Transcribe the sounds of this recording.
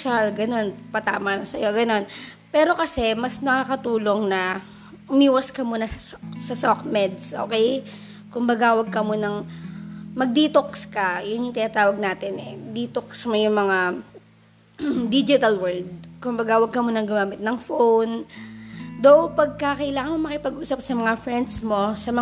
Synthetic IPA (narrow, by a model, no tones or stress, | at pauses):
ʃalɡɐno̞npɐt̪aːmɐnɐsɐjo̞ɡɐno̞n | pɛːɾo̞kɐsɛmɐsnɐkakɐt̪uːlo̞ŋnɐ | ʔʊmiːwɐskɐmuːnɐsɐ | sɐsokmɛd̪sʔo̰ːkɛj | kʊmbɐɡawɐɡ̚kɐmonɐŋ | mɐɡ̚d̪iːt̪okskɐjʊnjʊŋt̪ɪnaːt̪aːwɐɡ̚naːt̪ɪnɛd̪iːt̪oksmo̞jʊŋmɐŋa | d̪id͡ʒɪt̪ɐlwɛɹld̪̚kʊmbɐɡawɐɡ̚kɐmonɐŋɡʊmaːmɪt̪̚nɐŋfown | d̪owpɐɡ̚kakɐʔɪlaːŋɐnmoŋmɐkɪpɐɡʔuːsɐp̚sɐmɐŋafɹɛnd̪smo̞sɐmɐ